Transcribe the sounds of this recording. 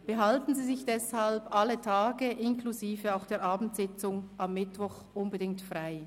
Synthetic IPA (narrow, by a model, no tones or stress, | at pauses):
b̥əɦaltn̩ziːzɪçd̥ɛshalbʔalətʰaːɡəʔɪnkluziːvəaʊxd̥eːɐʔaːbn̩tsɪt͡sʊŋʔamːɪtvɔχ | ʔʊnbədɪŋtfʁaɪ